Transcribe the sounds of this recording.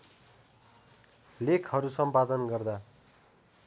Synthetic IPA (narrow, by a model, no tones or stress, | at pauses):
lekʰɦʌɾusʌmpad̪ʌnɡʌrd̪a